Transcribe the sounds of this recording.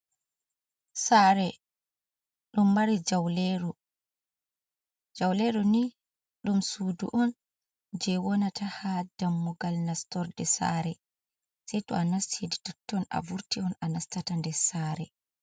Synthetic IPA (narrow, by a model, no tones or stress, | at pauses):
saɾɛ | ɗumːaɾid͡ʒawlɛɾɔ | d͡ʒawlɛɾɔni | ɗumsuːdṵʔɔn | d͡ʒɛwɔnatahadamːuɡalnastɔɾdɛsa̰ɾɛ | sɛjtɔ̰anasteditɔtːɔna̰vuɾtiɔnanastatandɛsaɾɛ